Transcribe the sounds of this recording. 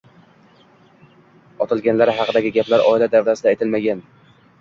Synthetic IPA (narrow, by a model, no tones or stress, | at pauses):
ɒt̪ʰɪlˠɡʲanlaɾɦɑqʰɨd̪aɡʲɪɡʲaplaɾʔɒ̰ɪlad̪avɾasɪd̪aet̪ʰɪlmaɡʲan